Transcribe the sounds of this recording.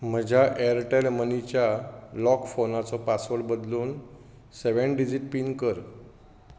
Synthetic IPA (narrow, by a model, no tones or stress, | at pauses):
m̤əd͡ʑʱaʔeəɾʈelmənit͡ɕjalɔkfonat͡sɔpasʋəɽbəd̪luːn | seʋeɳɖid͡ʑiʈ̚piːnkəɾ